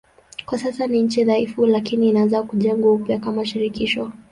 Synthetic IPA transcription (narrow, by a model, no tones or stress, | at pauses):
kwasasaniɲ̩t͡ʃiðaifulakiniːnazakuʄɛŋɡapjakamaʃiɾikiʃɔ